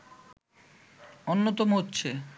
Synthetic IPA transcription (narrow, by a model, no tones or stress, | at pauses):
onːot̪omoɦotːɕʰe